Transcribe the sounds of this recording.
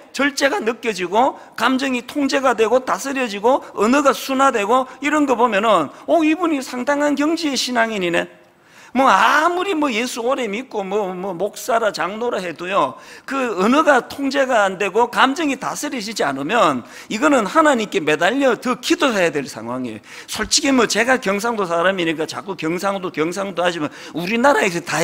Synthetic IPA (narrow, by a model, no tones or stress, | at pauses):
t͡ɕʌɭt͡ɕ͈e̞ɡanɯk͈jʌd͡ʑiɡo | kamd͡ʑʌŋitʰoŋd͡ʑe̞ɡadwe̞ɡotasʰɯɾjʌd͡ʑiɡoɯnɯɡasʰunadwe̞ɡoiɾʌnɡʌbomjʌnɯnoibuɲisʰaŋdaŋankjʌŋd͡ʑieɕʰinaŋiɲine̞ | mwʌamuɾimwʌjesʰuoɾe̞mik͈omwʌmʌmok̚s͈aɾat͡ɕaŋnoɾaɦe̞dojokɯɯnɯɡatʰoŋd͡ʑe̞ɡaːnde̞ɡokamd͡ʑʌŋita̰sʰɯɾed͡ʑid͡ʑia̰nɯmjʌn | iɡʌnɯnhanaɲimk͈e̞medaʎːʌtɯkidoɦejadwe̞ɭsʰa̰ŋɦwaŋiḛ | sʰoɭt͡ɕʰiɡemwʌt͡ɕe̞ɡakjʌŋs̬ʰaŋdosʰaɾamiɲik̬͈at͡ɕa̰k͈ukjʌŋs̬ʰaŋdokjʌŋs̬ʰaŋdohad͡ʑiman | uɾinaɾaes̬ʰʌta